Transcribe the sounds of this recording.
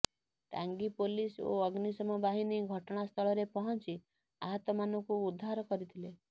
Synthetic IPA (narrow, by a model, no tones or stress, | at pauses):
ʈa̰ŋɡipoliso̰ɔɡnisɔmɔbaɦiniɡʱɔʈɔɽ̃ast̪ʰɔɭɔɾepɔɦɔnt͡ʃi | aɦɔt̪ɔmanɔŋkuːd̪ʱːaɾɔkɔɾit̪ʰile